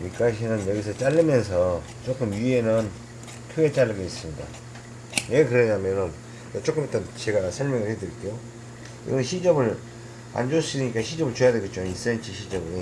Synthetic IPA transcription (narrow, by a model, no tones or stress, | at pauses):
ɲik͈aɕʰinɯnjʌɡis̬ʰʌt͡ɕ͈aʎːɯmjʌns̬ʰʌ | t͡ɕ͈ok͈ɯmjuenɯn | kʰɯɡe̞t͡ɕ͈alːɯɡeis͈ɯmɲida̰ | jekɯɾʌɲamjʌnɯn | ʌt͡ɕ͈ok͈ɯmʌt͈ʌnt͡ɕeɡasʰʌɭmjʌŋɯɭhedɯɾik͈ejo | kḭɡʌnnɕʰid͡ʑʌbɯɭ | a̰nd͡ʑos͈idɯɲik͈aɕʰid͡ʑʌbɯɭt͡ɕojadeɡet͡ɕ͈ois͈ent͡ɕʰiɕʰid͡ʑʌbɯɾi